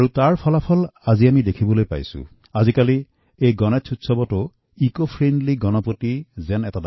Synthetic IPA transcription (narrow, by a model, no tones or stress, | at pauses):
aɹutaɹpʰɔlapʰɔlaziamidekʰibɔlojpa̰jsṵ̃ | azikali | ejɡɔnɛt͡ʃʰutsɔbɔtʊ | ikopʰɹendliɡɔnɔpotizɛnɛtada